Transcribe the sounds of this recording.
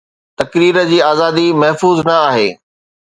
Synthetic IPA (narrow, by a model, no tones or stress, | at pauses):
t̪ɐkɾiːɾə̆d͡ʑiːaːzaːd̪imɐɦfuːznɐaːɦḛː